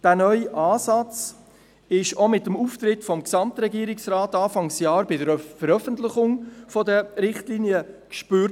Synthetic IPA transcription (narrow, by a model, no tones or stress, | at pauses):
d̥æːnœʏʔaːsɑt͡s | ɪʃomɪtəmuːftɾɪtfɔmksɑmtɾɛɡiəɾɪksraːtɑːfɑŋsjɑːɾbɪdəɾfəɾœfəntlɪχʊŋfɔdəɾɪχtliːnjəkʃpyɾt